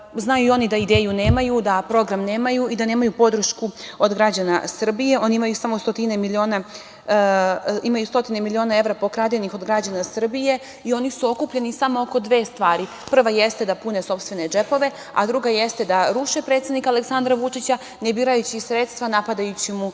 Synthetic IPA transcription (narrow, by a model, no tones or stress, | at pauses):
znajuio̞nid̪aid̪e̞ːjune̞ːmajud̪apɾo̞ɡɾamneːmajuid̪ane̞ːmajupo̞d̪r̩ʃkuo̞d̪ɡɾad͡ʑanasr̩bije̞o̞niimajusamo̞st̪ot̪inemilio̞ːna | imajust̪o̞t̪inemilio̞nae̞ʋvɾapo̞kɾad̪enixo̞d̪ɡɾad͡ʑanasr̩bije̞ | io̞nisuo̞kupʎe̞nisamooko̞d̪ʋe̞ːst̪ʋaːɾi | pr̩ʋajest̪ed̪apuneso̞pst̪ʋe̞ne̞d͡ʒe̞po̞ʋe̞ | a̰d̪ɾuɡajest̪e̞d̪aɾuʃepɾe̞t̪sjed̪nikale̞ksand̪ɾaʋut͡ʂit͡ɕa | nebiːɾajut͡ɕisɾet̪st̪ʋanapad̪ajut͡ɕimu